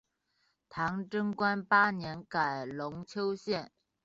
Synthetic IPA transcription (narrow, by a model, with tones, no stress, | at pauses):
t̪ʰɑ˧˥ŋʈ͡ʂɤ˥ŋkwa˥npa˥njɛ˧˥nka˨˩ɪlʊ˧˥ŋt͡ɕʰjo˥ʊɕjɛ˥˩n